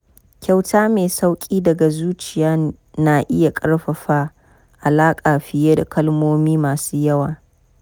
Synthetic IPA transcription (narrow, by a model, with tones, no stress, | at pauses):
kʲa˨wtʰaː˦meː˨sa˦wkʲʼiː˦dɐ˨ɡa˨zuː˦t͡ʃɪ˨jaː˦ | na˨ʔɪ˦ja˨kʼɐ˦ɽɸɐ˨ɸa˦ | ʔa˨laː˦kʼaː˨ɸɪ˨jeː˦da˨kɐ˦lmoː˦miː˦maː˨suː˦jɐ˦waː˨